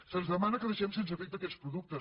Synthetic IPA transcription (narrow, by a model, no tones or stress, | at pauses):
sənzðəmanəkəðəʃɛms̬ens̬əfik̚d̪əkɛt̪spɾuðuk̚t̪ə